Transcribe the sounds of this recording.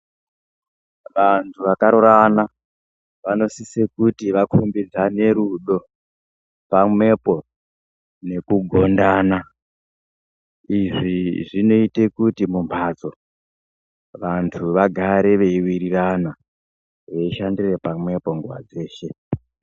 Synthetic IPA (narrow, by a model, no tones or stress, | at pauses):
ʋantʰuʋakaɾoɾana | ʋano̞sisekutiʋakʰumbid͡zane̞ɾuɗo̞ | pamwe̞po̞ | ne̞kuɡʱo̞ndaːna | iʐiʐino̞ite̞kutimumpʰat͡so̞ | ʋantʰuʋaɡʱaɾe̞ʋe̞iwiɾirana | ʋe̞iʃandire̞pamwe̞po̞ŋɡwa̰d͡ze̞ːʃe̞